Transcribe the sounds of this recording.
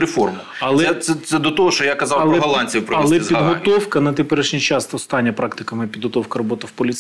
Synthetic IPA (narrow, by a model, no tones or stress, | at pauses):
ɾefɔrmʊ | ɐlˠɛɛt̪sɛt̪sɛd̪ɔt̪ɔɦɔʃt͡ʃɔjakɐzɑwɐlˠɛɦɐlˠɑnʲt͡sʲipɾɐlˠɛzpʲid̪ɦɔt̪ɔwkɐnɐt̪epɛɾɪʃnʲijt͡ʃɑst̪ɔst̪ɑnʲːɐpɾɑkt̪ɪkɐmɪpʲid̪ɦɔt̪ɔwkɐɾɔbɔt̪ɪwpɔlʲi